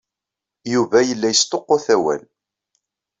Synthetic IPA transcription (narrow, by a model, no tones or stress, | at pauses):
juvæjəlːæjəst̪oqːʊθæwæ̰l